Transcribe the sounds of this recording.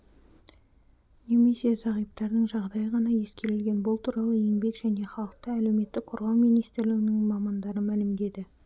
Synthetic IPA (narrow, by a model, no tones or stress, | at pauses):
ne̞me̞sezɑʁijp̚t̪ɑɾd̪əɴʒɑʁd̪ɑjəʁɑnɑje̞skʲe̞ɾɪlɡʲe̞nbʊlˠt̪ʰuɾɑlˠəje̞ŋbe̞kʒæne̞χɑlˠəq̚t̪əælewme̞t̪ːɪk̚qʰo̞ɾʁɑwmijnijst̪ɪɾlɪɡʲɪnɪŋmɑmɑnd̪ɑɾəmælɪmd̪e̞d̪ɪ